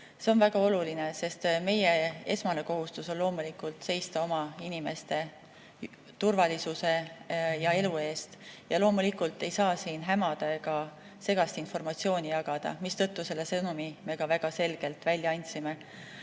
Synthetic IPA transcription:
se̞onvæɡ̥ɑo̞luline̞se̞st̪me̞jee̞̰smɑneko̞ɦust̪uso̞nlo̞ːmulikːˑult̪se̞jst̪ɑo̞mɑinime̞st̪e̞ | t̪urvɑlʲisuse̞jɑe̞lue̞ːst̪jɑlo̞ːmulikult̪ˑːe̞jsɑːsiːnɦæmɑd̪̥ɑeɡɑ | se̞ɡ̥ɑst̪info̞rmɑt̪sio̞ːnʲijɑɡ̥ɑd̪̥ɑ̰mist̪ɤ̞t̪ːuse̞lːe̞sɤnumime̞kɑvæɡ̥ɑse̞lɡ̥e̞lt̪ːˑvælʲːjɑɑnʲt̪ʲsime̞

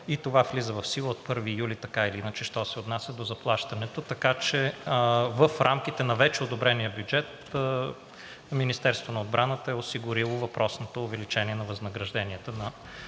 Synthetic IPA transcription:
it̪ovaflizəvɐfsilˠəot̪̚pɤɾvijulit̪ɐkailiinət͡ʃɛʃt̪ɔsɛot̪nasʲjəd̪ozɐplˠaʃt̪ɐnɛt̪ot̪ɐkat͡ʃɛ | vəfɾʔamk̟it̪ɛnɐvɛt͡ʃɛod̪obɾɛnijəbjud͡ʒɛt̪ | minist̪ɛɾst̪vonɐod̪bɾʔanət̪əɛʊsiɡʊɾilˠovɐpɾʔɔsnot̪oːvɛlit͡ʃɛniɛnɐvɐznɐɡɾɐʒd̪ɛniɛt̪ənɐ

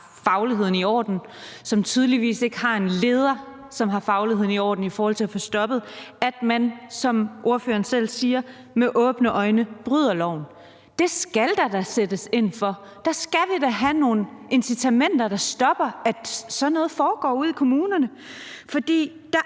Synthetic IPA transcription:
fɑ̈ʊliɦe̝ð̰ˠn̩iɒ̰ːd̥n̩sɒ̽mt͡sʰyð̞ˠliʋḭːse̝ɡ̥əhɑ̈e̝nle̝ːð̞ˠɐ | sɒ̽mɦɑ̈fɑ̈ʊlihe̝ð̰ˠniɒ̰ːd̥n̩ifɒːhɒl̰t͡sʰe̝æfɔ̽sd̥ɒ̽b̥ð̩ˠæd̥mænsɒ̽mʔo̝ɐfø̰ːɐːn̩sel̰siːɐ | meʔɔ̽ːb̥nəʔɒ̽ɪnəb̥ʁyð̰ˠɐlɒʊn | d̥e̝sɡ̥æld̥ɑd̥ɑsed̥əse̝n̰fɒ̽ | d̥ɑ̈sɡ̥æʋed̥æɦæno̝ːn̩e̝nsit͡sʰæmen̰d̥ɐd̥ɑ̈sd̥ɒ̽b̥ɐæd̥sɒ̽nːɔ̽ːð̩ˠfɒːɡ̥ɒ̰ːuð̰ˠikʰo̝muːnɐnə | fɒ̽d̥ḭː | d̥ɑ̈

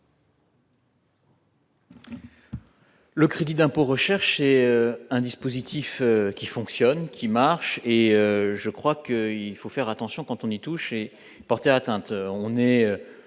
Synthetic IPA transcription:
ləkχed̪id̪ɛ̃poʁəʃɛʁʃɛøɛ̃d̪ispozit̪ʰiføkʲifɔ̃ksjɔnkʲʰimaʁʃeøʒəkχwakəilfofɛʁat̪ɑ̃sjɔ̃kɑ̃t̪ɔ̃nit̪uʃe | pɔʁt̪eat̪ɛ̃t̪øɔ̃nɛø

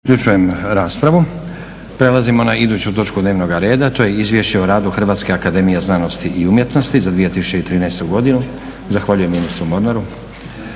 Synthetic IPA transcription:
ukʎut͡ʃuje̞mɾaːspɾaʋu | pɾe̞lˠazimo̞naid̪uːt͡ɕut̪o̞t͡ʃkud̪neːʋno̞ɡaɾe̞ːd̪at̪o̞ːjeizʋʲje̞ʃt͡ɕeoɾaːd̪uxr̩ʋaːt̪ske̞akad̪e̞mijeznaːno̞st̪iʔiumje̞t̪no̞st̪izad̪ʋije̞t̪isut͡ɕe̞it̪ɾiːnɛjst̪uɡo̞d̪inu | zaxʋaːʎujemːinist̪ɾumo̞ɾnaɾu

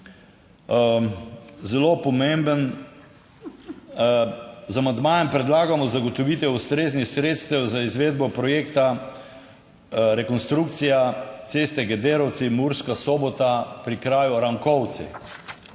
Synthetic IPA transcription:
zɛlopɔmembən | zamand̪maːjɛmpɾɛd̪laːɡamɔzaɡɔt̪ɔʋit̪ɛust̪ɾeːznixsɾeːt̪st̪ɛwzaizʋeːd̪̚bɔpɾɔjeːkt̪a | ɾɛkɔnst̪ɾuk̚t̪sijat̪sest̪ɛɡɛd̪eːɾɔwt̪simuɾskasoːbɔt̪apɾikɾaːjuɾaŋkɔwt̪sɛ̰

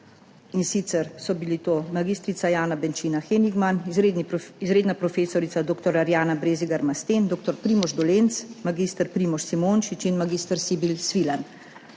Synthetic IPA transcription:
insiːt̪sɛɾsɔbilit̪oːmaɡiːst̪ɾit̪sajaːnabɛnt͡ʃiːnaxeniɡman | izɾeːd̪napɾɔfeːsɔɾit̪sad̪oːkt̪ɔɾaɾjaːnabɾeːziɡaɾmast̪eːnd̪oːk̚t̪ɔɾpɾiːmɔʒd̪ɔleːnt̪smaɡiːst̪əɾpɾiːmɔʃsimoːnʃit͡ʃinmaɡiːst̪əɾsibilsʋilan

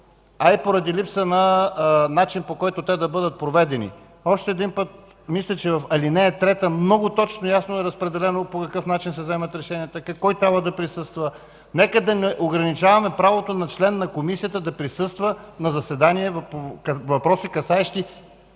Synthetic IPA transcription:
aipoɾɐd̪ilipsənɐnat͡ʃinpokɔjt̪ʊt̪ɛd̪ɐbɤd̪ət̪̚pɾovɛd̪ɛnḭ | ɔʃt̪ɛːd̪inpət̪̚ | mislʲɛt͡ʃɛvɐfɐlinɛɛt̪ɾɛt̪əmnɔɡʊt̪ɔt͡ʃnojasnoɛɾɐspɾɛd̪ɛlɛnopokɐkɤfnat͡ʃinsɛzɛmɐt̪ɾɛʃɛniət̪əkkɔjt̪ɾʲabvəd̪ɐpɾisɤst̪və | nɛkəd̪ɐnɛʔoɡɾɐnit͡ʃavɐmɛpɾavot̪onɐt͡ʃlɛnːɐkomisiət̪əd̪ɐpɾisɤst̪vənɐzɐsɛd̪aniɛvpovɐpɾɔsikɐsaɛʃt̪i

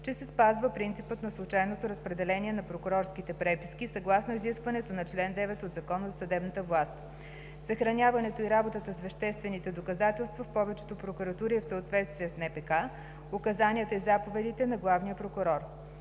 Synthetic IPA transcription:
t͡ʃɛsɛspazvəpɾint̪ipət̪nɐslˠʊt͡ʃajnot̪oɾɐspɾɛd̪ɛlɛnʲiɛnɐpɾokʊɾɔɾskit̪ɛpɾɛpiskisɐɡlˠasnoiziskvɐnɛt̪onɐt͡ʃlɛnd̪ɛvɛt̪od̪zɐkɔnəzɐsɐd̪ɛbnɐt̪əvlˠast̪ | sɐxɾɐnʲavɐnɛt̪oiɾabot̪ət̪əsvɛʃt̪ɛst̪vɛnit̪ɛd̪okɐzat̪ɛlˠst̪vɐfpɔvɛt͡ʃɛ̥t̪opɾokuɾɐt̪uɾiɛfsəːt̪vɛt̪st̪vijɛsnɛpɛka | okɐzaniət̪əizapovɛd̪it̪ɛnɐɡlˠavnijəpɾokʊɾɔɾ

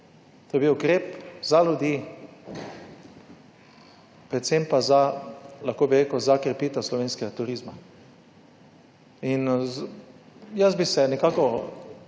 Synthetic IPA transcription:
t̪oːjebiwkɾeːpzalʲud̪jiː | pɾɛt̪sempazalaxkoːbiɾeːkəwzakɾɛpiːt̪ɛwslɔʋeːnskɛɡat̪uɾiːzma | in | jəzbisɛnɛkaːkɔ

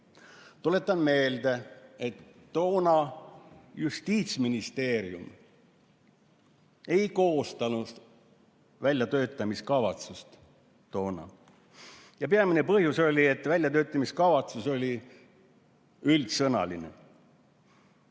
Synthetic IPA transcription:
t̪ole̞t̪ˑːɑnme̞ːld̪̥ee̞t̪ː | o̞ːnɑ | just̪iːt̪sminist̪e̞ːɾiṵm | e̞jko̞ːst̪ɑnus | vælʲjɑt̪ø̞ːt̪ːˑɑmiskɑvɑt̪sust̪ː | o̞ːnɑ̰ | jɑpeɑmine̞pɤhjuso̞lʲie̞t̪ːvælʲjɑt̪ø̞ːt̪ːˑɑmiskɑvɑt̪suso̞lʲi | ylt̪sɤnɑ̰linḛ

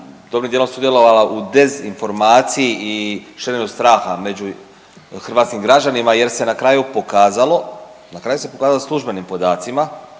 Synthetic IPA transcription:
d̪o̞bɾnimd̪jelomsud̪je̞lo̞ʋalaʔud̪e̞zinfo̞ɾmaːt̪sijiʔiʃeɾenust̪ɾaːxame̞d͡ʑu | xr̩ʋaːt̪skimɡɾad͡ʑanimaje̞ɾse̞nakɾaːjupokaːzalo̞ | nakɾaːjusepo̞kaːzaloslˠuʒbenimpo̞d̪aːt̪sima

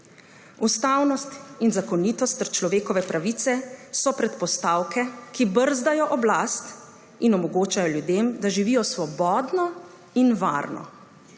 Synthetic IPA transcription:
ust̪aːwnɔst̪inzakɔniːt̪ɔst̪ːəɾt͡ʃlɔʋeːkɔʋɛpɾaʋit̪sɛsɔpɾɛt̪pɔst̪aːwkʰɛkibəɾzd̪ajɔʔɔblast̪ | inɔmɔɡoːt͡ʃajɔljud̪eːmd̪aʒiʋijɔsʋɔbɔːd̪nɔ | inʋa̰ɾnɔ̰

